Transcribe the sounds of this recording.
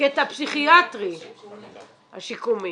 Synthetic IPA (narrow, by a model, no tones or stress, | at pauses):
et̪apsiχiat̪ʁi | ha̰ʃikumi